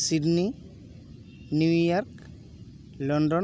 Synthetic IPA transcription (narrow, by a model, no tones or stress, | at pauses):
sidni | njujɔɾk | lɔnɖɔ